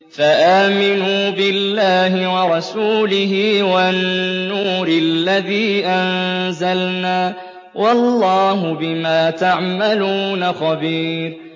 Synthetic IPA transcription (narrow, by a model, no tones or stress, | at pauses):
faʔaːmɪnuːbɪlːaːɦɪwɑɾˤɑsuːlɪɦɪːwanːuːɾɪlːaðiːʔanzalnaː | wʔɑlːɑːɦʊbɪmaːt̪aʕmaluːnaxɑbiːɾ